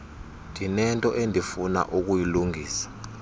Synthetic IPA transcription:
ndʱinɛntʼɔʔendʱifuna̰ʔuk̬ujiluŋʱiːsḁ

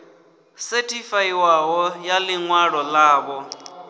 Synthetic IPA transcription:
sɛtʰʼifaiwaɦɔjalɪŋwaɺɔlaːβɔ

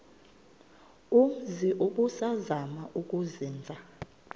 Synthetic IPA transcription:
uziʔukusazamaʔuk̬ʼuziːnd͡zʱa

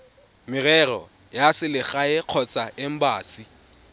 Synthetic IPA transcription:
mɪrɛrɔ | jasɪlɪχaɪq͡χʰɔt͡sʼaɪm̩baːsi

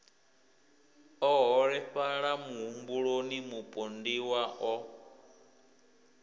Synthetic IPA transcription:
ɔɦɔɺɛɸaɺamuɦumbuɺonimupʼondiwaʔɔ

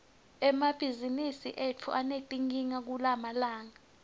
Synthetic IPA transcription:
ɛmab̥ʱizinisiʔet͡fʰṵʔanetʼiŋiŋak̬ulamalaːŋa

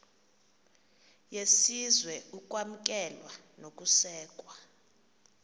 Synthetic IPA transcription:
jesizwɛuk̬ʼwam̩k̬ʼɛlwa | nok̬ʼusɛːkʼwa

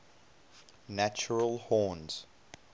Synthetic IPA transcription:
næt͡ʃəɹəlˠhɔːnz̥

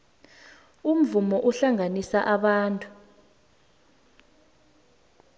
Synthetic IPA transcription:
um̩vumɔʔuɬaŋanisaʔaɓaːntʼu

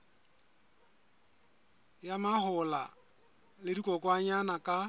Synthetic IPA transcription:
jamahʊla | lɪdikʼɔkʼwaɲanakʼa

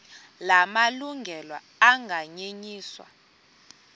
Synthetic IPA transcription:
lamaluŋɡʱɛlwa | aŋɡʱaɲeɲiːswa̰

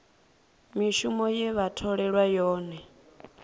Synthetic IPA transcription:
miʃumɔjɛβatʰɔɺɛɺwajɔːnɛ

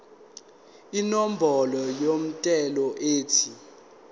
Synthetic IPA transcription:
inɔm̩bʱɔlɔjom̩tʼɛlɔʔeːtʰi

